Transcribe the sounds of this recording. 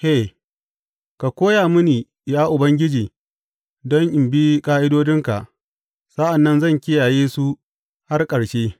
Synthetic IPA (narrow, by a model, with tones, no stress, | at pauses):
ʔe˦˨ | ka˨kʷoː˦jaː˨mʊ˦niː˨ | jaː˦ʔʊ˨bɐ˦ŋɡʲɪ˦d͡ʒiː˨ | dɔ˦ŋʔɪ˨mbi˦kʼaː˦ʔɪ˦doː˦d͡ʒɪ˦ŋka̰˨ʔ | sɐ˦ʔa˨nːɐ˦nzɐ˦˨ŋkʲɪ˦jaː˨jeː˦su˦ | ha˦rkʼɐ˨ɽʃeː˦